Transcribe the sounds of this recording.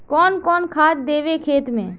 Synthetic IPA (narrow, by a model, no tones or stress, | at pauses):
kɔːnkɔːnkʰaːt̪d̪eːʋekʰeːt̪mḛ̃ː